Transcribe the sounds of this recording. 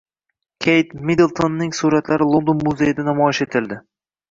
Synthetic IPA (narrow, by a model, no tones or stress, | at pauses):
kʲʰejt̪mid̪elˠt̪ʰonːɪŋsuɾat̪laɾɪlˠond̪onmʊzejɪd̪anamɒɪʃe̞t̪ʰɪld̪ɪ